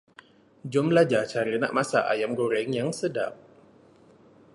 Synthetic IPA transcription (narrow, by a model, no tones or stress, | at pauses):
d͡ʒɔmlad͡ʒat͡ʃaɾina̰ʔmasa̰ʔa̰jamɡoɾɛŋjaŋsəda̰p̚